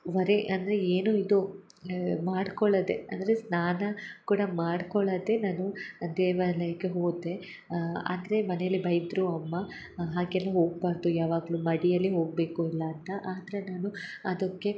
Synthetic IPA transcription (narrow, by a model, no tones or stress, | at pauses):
ʋɐɾeʔɐnd̪ɐɾe̞eːnuid̪u | maːɽkɔɭɐd̪e̞ɐ̰nd̪ɐɾe̞snaːnɐkuːɽɐmaːɽkɔɭɐd̪e̞naːnud̪ɛːʋɐlɐjɐkːe̞ɦoːɡd̪e̞ | ɐ̰nd̪ɐɾemɐnejɐlːibɐjɐd̪ɾuɐmːɐ | ɦaːɡɛlːɐɦo̞ːɡ̚baːɾd̪ujaːʋaːɡɐlumɐɽijɐlːiɦo̞ːɡ̚be̞ːkuilːɐːnt̪ɐʔaːd̪ɐɾenaːnuɐd̪ɐkːe̞